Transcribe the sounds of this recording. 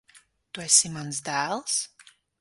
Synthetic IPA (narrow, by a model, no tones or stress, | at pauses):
t̪uɛsʲimans̬d̪æːlˠs